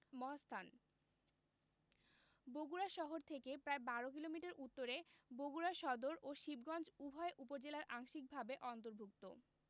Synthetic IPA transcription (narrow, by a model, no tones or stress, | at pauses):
mɔɦast̪ʰan | boɡuɾaʃɔɦoɾt̪ʰekepɾaebaɾok̬ilomiʈaɾut̪ːoɾeboɡuɾaʃɔd̪oɾʔoʃibɡɔnd͡ʑubʱɔeʔupoɾd͡ʑelaɾʔaŋʃik̚bʱabeʔɔnt̪oɾbʱuk̚t̪o̰